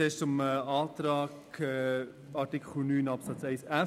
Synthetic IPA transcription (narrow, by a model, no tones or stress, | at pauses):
eːʃʊmɑːtɾɑːkɛ | ɑɾtikχl̩nyːnɑpsɑt͡sɛɪsæ